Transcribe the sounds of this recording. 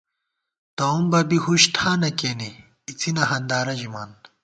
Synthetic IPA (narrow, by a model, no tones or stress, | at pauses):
t̪ɐumbɐbihuɕt̪ʰaːnɐkeːniː | t͡sʰinɐɦɐnd̪aːɾɐʑimaːn